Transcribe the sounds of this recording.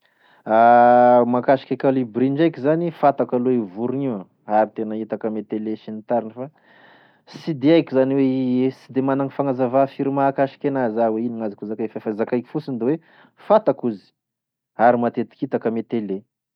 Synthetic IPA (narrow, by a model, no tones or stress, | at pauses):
amakaʃi̥kʲakalibɾiɳd͡ʒajkʲizanifat̪akaloivuɾuŋia | aɾit̪enəit̪akəmet̪eleʃinit̪aɾinəfa | sid̪eajkʲizaniweesid̪emanaŋifaŋazavafiɾimakaʃi̥kʲanazaweiniŋazakuzakafafazakajki̥fusind̪ewe | fat̪akuzi̥ | aɾimat̪et̪i̥kit̪akəmet̪ele